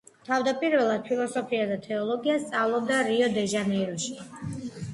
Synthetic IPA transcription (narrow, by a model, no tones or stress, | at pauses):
t̪ʰavd̪apʼiɾvɛlˠad̪̥̚pʰilˠɔsɔpʰiad̪at̪ʰɛɔlˠɔɡiast̪sʼavlˠɔbd̪aɾiɔd̪ɛʒanɛɾɔʃi̥